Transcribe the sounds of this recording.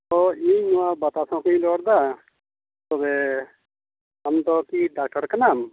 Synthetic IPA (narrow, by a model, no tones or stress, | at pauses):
t̪ɔinuabat̪asɔ̃kuĩlɔːɽd̪a | t̪ɔbɛ | amt̪ɔkiɖaːk̚ʈəɾkənam